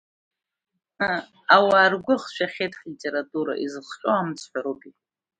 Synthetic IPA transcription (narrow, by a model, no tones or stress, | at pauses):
awaːrɡʷʊχʃʷᶣaχʲejtʰʼχlʲitʲʼe̞ɾatʼuɾa̰ʔizɨχt͡ʃʼoamt͡sʰħʷᶣaɾopʼi